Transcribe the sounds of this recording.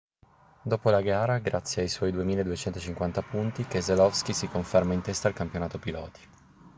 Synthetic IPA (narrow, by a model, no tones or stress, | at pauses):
d̪oːpolaɡaːɾaɡɾat̪sːjeajswɔjd̪uemiːlaed̪uet͡ʃɛnt̪ot͡ʃiŋkwant̪apunt̪ikezelɔfskisikoɱfɛrmaint̪ɛst̪aːlkampjonaːt̪opilɔːt̪ʰi̥